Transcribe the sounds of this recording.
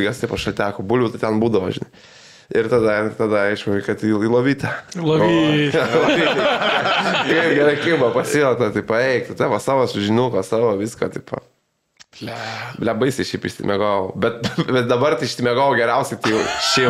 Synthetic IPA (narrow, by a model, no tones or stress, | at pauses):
ɡɐst̪ɐɪpɐʃɐlʲt̪ʲæːkoːbʊlʲʋʲʊt̪ɐɪt̪ʲɛnbuːd̪ɐʋoːʒʲɪnɐɪ | ɪɾt̪ɐd̪ɐt̪ɐd̪ɐɐɪʃɐɪkɐt̪iiːlˠoːʋʲiːt̪ɐoilˠoʋʲiː | kɐɪpɡʲæɾɐkʲɪbɐpɐsʲiot̪ɐt̪ɐɪpɐɛɪkt̪ɐt̪ɐʋɐsɑːʋoːsʊʒʲɪnʲuːkoːsɑːʋoːʋʲiːskoːt̪ʲɐɪpɐ̰ | lʲɛbɐɪsʲɛɪʃʲɛɪpɪʃʲsʲɪ̰mʲɛɡoːʋobʲɛt̪̚bʲɛt̪̚d̪ɐbɐrt̪ɐɪʃʲsʲɪmʲɛɡoːʋoɡʲɛɾʲɛʊsʲɛɪt̪ɐɪjɛʊʃʲɛɪ